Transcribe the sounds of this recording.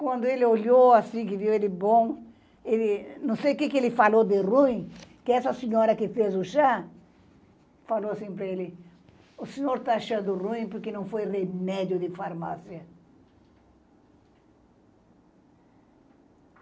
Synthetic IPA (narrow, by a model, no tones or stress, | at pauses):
kwɐ̃nd̪ʊelɪoʎoasĩkɪviwelɪbõ | elɪnɐ̃w̃sejkekɪelɪfalod̪ɪruĩkɪɛsɐseɲɔɾɐkɪfezʊʃa | faloasĩpɾɐelɪ | ʊseɲoɾt̪aaʃɐ̃d̪ʊrũĩpoɾkenɐ̃w̃fojremɛd̪jʊd̪ɪfaɾmasjɐ